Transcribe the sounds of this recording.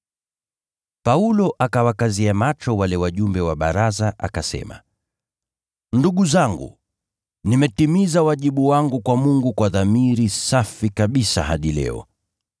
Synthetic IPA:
paulɔʔakawakaziamat͡ʃɔwalɛwaʄumbɛwaɓa̰ɾazaʔa̰kasɛ̰ma̰ | nduɠuzaŋɡṵ | nimɛtimizawaʄiɓuwaŋɡukwamuŋɡukwaðamiɾisafikaɓisa̰ɦaɗilɛ̰ɔ̰

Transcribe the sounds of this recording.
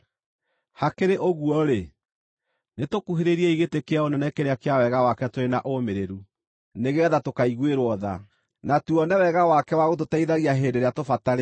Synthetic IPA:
hakeɾeʔoɣuɔɾe | netokuɦeɾeɾiɛiɣetekeaonɛnɛkeɾeakeawɛɣawakɛtoɾenaʔomeɾeɾu | neɣɛðatokaiɣweɾwɔða̰ | natuɔnɛwɛɣawakɛwaɣot̬otaiðaɣiaɦeːndeɾeatofataɾe

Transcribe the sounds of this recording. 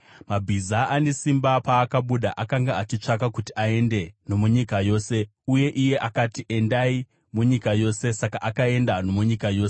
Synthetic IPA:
mabʱizaʔane̞simbapaːkaɓuɗa̰ʔakaŋɡaat͡ʃit͡ʂakakutiae̞nde̞no̞muɲikajo̞ːse̞ | uje̞ʔije̞ʔakatiʔe̞ndai | muɲikajo̞ːse̞sakaʔakae̞ndano̞muɲikajo̞ːse̥

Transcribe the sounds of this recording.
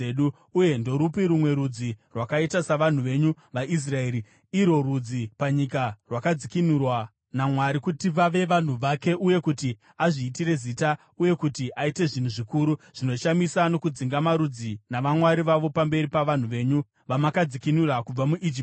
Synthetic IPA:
ɗu | uje̞ndo̞ɾupiɾumwe̞ɾud͡zirwakaitasaʋan̤uʋe̞ɲu | ʋaʔis̬rae̞ɾi | iɾo̞rud͡zipaɲikarwakad͡zikinurwa | namwaɾikutiʋaʋe̞ʋan̤uʋake̞ʔuje̞kuti | aʐiːtire̞ziːta | uje̞kutiʔaite̞ʐin̤uʐikuːɾuʐ̥ino̞ʃamisano̞kud͡ziŋɡamaɾud͡zinaʋamwaɾiʋaʋo̞pambe̞ɾipaʋan̤uʋe̞ːɲu | ʋamakad͡zikinurakub͡vamuʔid͡ʒip

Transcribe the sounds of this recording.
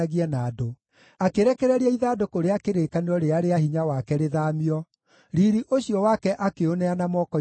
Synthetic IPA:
aɣiɛnaːdo | akeɾɛkɛɾɛɾiɛiðaːdokoɾeakeɾeːkaneɾɔɾeaɾeahiɲawakɛɾeðaːmiɔ | ɾiɾiʔoɕijɔwakɛʔakeonɛanamɔkɔ

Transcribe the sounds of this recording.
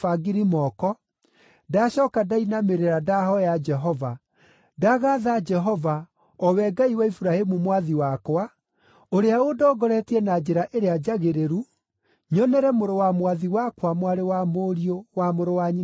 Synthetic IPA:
faɡiɾimɔkɔ | daɕɔːkadainameɾeɾadahɔjad͡ʒɛɦɔva | daɣaðad͡ʒɛɦɔva | ɔwɛɡaiwaifuɾahemumwaðiwakwa | oɾeaodɔːɡɔɾɛtiɛnad͡ʒeɾaʔeɾead͡ʒaɣeɾeɾu | ɲɔnɛɾɛmoɾowamwaðiwakwamwaɾewamoɾiowamoɾowaɲi

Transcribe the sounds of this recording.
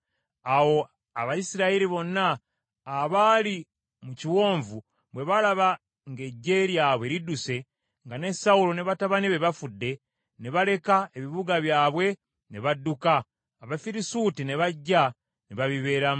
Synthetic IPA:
awo̞ | aβajisiɾaiɾiβo̞nːaː | βali | muciwo̞ːɱvu | βwe̞βalaβa | ŋɡe̞ɟːe̞ːɾjaβwe̞ɾiduse̞ | ŋɡane̞saulo̞ne̞βataβaniβe̞βafudːe̞ | neβale̞kae̞βiβuɡaβjaːβwe̞ | ne̞βadːukaː | βafiɾisutine̞βaɟːa | neβaβiβe̞ːɾam

